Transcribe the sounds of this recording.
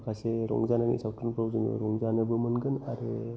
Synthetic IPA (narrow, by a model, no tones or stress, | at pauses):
kʰaseɾɔ̰ŋzananḭsaw̚kɯnpʰɾawzɯnṵɾɔŋzanɯbɯmɯnɡɯnaɾɯ